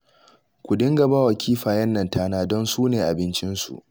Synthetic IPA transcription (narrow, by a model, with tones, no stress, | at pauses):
kʷʊ˨dɪ˦ŋɡɐ˨ba˦wɐ˨kʲʰiː˦ɸaː˨jɛ˦nːɐ˨ntaː˦naː˦dɔ˦nsuː˦neː˨ʔa˨bɪ˦nt͡ʃɪ˦nsṵ˨ʔ